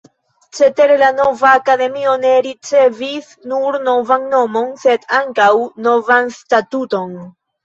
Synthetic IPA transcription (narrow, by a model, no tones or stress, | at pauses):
t͡ʃe̞te̞ɾelano̞vaːkade̞mio̞ne̞ɾit͡se̞vis | nuɾno̞vanːo̞mo̞nse̞daŋkawno̞vanstatuto̞n